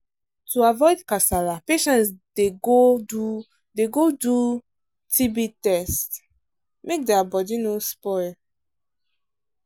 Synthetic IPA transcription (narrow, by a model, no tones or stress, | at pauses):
tuavɔɪdkasalapeʃɛ̃ntdeɡou | deɡodu | tʰibitɛst | mek̚dɛabɔdinospɔɪl